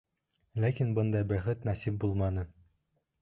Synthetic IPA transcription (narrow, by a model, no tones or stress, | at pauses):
lækinbɤnd̪ɑjbæχɘt̪næsip̚bulˠmɑnɤ